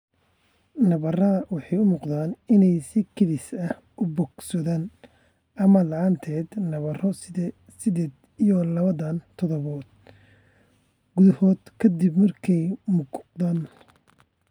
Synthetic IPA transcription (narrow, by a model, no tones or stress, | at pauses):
nɐβɐrɐwɑħɑjʊmuːqd̪aːnɪnɛjsɪkʰɐðɪsɐh | ʔʊbɔɡsɔðaːn | ʔɐmɐlɑʕɑnt̪ʰɛːd̪nɐβɐrɔ | sɪd̪ɛːd̪ | ijɔlɐβɐðant̪ʰɔðɔβɔːd̪̥̚ | ɡʊðɐhɔːd̪̥kʰɐd̪ibmɐrkʰɛjmʊɡd̪aːn